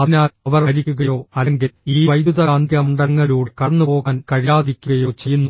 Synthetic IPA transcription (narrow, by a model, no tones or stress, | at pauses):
ɐnaːɐʋɐrɐɾikʲːuɣɐjo̞ːɐleŋɡiliːʋɐjd̪uðɐaːnd̪ʱjɐmɳɖɐŋːɐluːɽkɐɽɐnːupo̞ːɣaːnkɐɻijaːd̪ikʲːuɣɐjo̞ːt͡ɕe̞jːunːu